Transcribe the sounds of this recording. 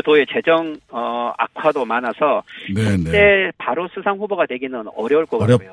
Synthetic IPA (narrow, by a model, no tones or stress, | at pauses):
toe̞t͡ɕe̞d͡ʑʌŋʌa̰kʰwadomanasʰʌit͡ɕ͈e̞paɾosʰusʰaŋɸuboɡadwe̞ɡinɯnʌɾjʌuɭk͈ʌejo